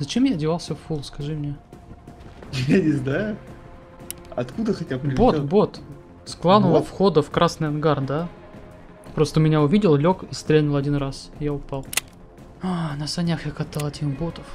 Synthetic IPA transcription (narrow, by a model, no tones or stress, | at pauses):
zɐt͡ɕe̞mjadʲɪvalˠsʲəffulˠskɐʐɨmnʲe | jjanʲɪznajʊ | ɐ̰t̪kud̪əxɐtʲabo̞t̪bo̞t̪ | sklˠanʊlˠəfxo̞d̪əfkɾʔasnɨjɐnɡard̪a | pɾo̞st̪əmʲɪnʲaʊvʲidʲɪlˠlʲo̞kist̪ɾʲenʊlˠɐdʲinrasɪjaʊpɑlˠ | anəsɐnʲaxjakɐt̪alˠɐtʲimbot̪əf